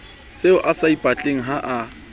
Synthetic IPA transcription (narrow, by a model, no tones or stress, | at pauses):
seʊʔasaipʼat͡ɬʼeŋ̩ɦaʔa